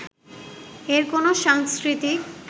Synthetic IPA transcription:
eɾkonoʃaŋskɾit̪i

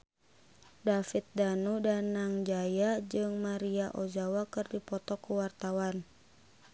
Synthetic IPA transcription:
dafit̪̚danudanaŋd͡ʒajad͡ʒɨŋmaɾiaʔɔd͡ʒawakɨrdipɔt̪ɔkuwart̪awan

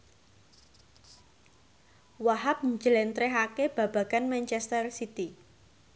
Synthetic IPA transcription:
waɦap̚ɲd͡ʒəlɛnt̪ɾɛɦakeb̥a̤b̥a̤ɡ̥anmɛnt͡ʃɛst̪ərsit̪i

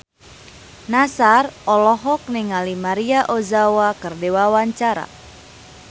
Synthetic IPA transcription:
nasarʔɔlɔɦɔk̚nɪŋalimaɾiaʔozawakɨrdewawaɲt͡ʃaɾa̰

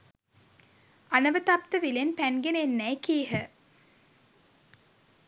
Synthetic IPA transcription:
ɐnɐʋət̪ɐp̚t̪əʋilenpænɡeneenːɛjkiːɦə

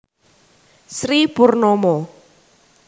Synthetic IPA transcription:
sɾipurnɔmɔ

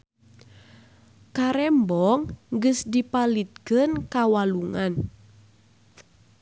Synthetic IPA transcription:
kaɾɛmbɔŋɡəsdipalit̪̚kɨnkawaluŋan

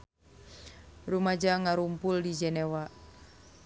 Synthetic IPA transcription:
rumad͡ʒaŋaɾumpuldid͡ʒɛnewa

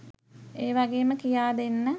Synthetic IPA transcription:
eːʋaɡeːməkijaːd̪enːə

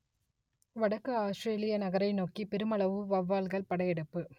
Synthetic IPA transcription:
ʋɐɽɐkːɐaːsʈɾeːlɪjɐnɐɣɐɾɐɪnoːkipɛɾɯmɐɭɐʋɯʋɐʋːaːlɣɐɭpɐɽɐjɛɽɯpːɯ

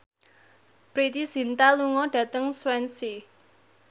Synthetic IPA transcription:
pɾit̪isint̪aluŋɔɖ̥ä̤t̪əŋswɛnsi

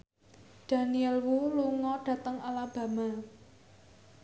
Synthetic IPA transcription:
d̥ä̤niɛlwuluŋɔɖ̥ä̤t̪əŋalab̥ä̤ma

